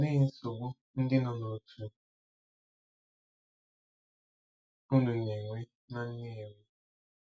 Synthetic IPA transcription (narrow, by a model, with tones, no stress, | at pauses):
ne˦n̩˦so˨ɡo˦ | n̩˦dɪ˦na˨no˨tʰu˦ | u˦nu˨ɲe˨ŋʷe˦ | na˦n̩˦ne˦˨ŋʷe˦